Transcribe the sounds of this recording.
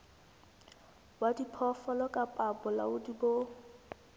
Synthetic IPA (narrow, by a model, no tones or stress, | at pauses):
bwadipʰɔfɔlɔkʼapʼabʊla̰ʊdibo